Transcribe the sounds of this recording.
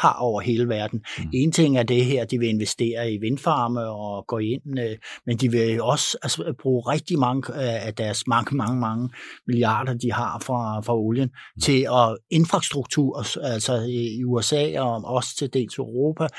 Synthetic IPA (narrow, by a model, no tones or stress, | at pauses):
hɑ̰̈ɒʊ̰ɐɦe̝ːləʋæɐd̥n̩e̝ːnt͡sʰe̝ŋ̰æɐd̥e̝ɦeɐ̰d̥iʋe̝e̝nʋesd̥e̝̰ːɐiʋe̝nfɑ̈ːməɒ̽ɡ̥ɔːe̝n̰mend̥iʋe̝ɒ̽sælsb̥ʁuːʁɛɡ̥̚d̥imɑ̈ŋəːd̥æɐsmɑŋəmɑ̈ŋəmɑ̈ŋəmiliɑ̰̈ːd̥ɐd̥ihɑ̈fʁɑ̈fʁɑ̈o̝ljənt͡sʰe̝lɒ̽e̝nfʁɑ̈sd̥ʁuɡ̥̚t͡sʰuɐ̰ælsɒuesɛ̰ːɒɒ̽st͡sʰe̝d̥e̝̰ːlsœʊʁo̝ːpʰæ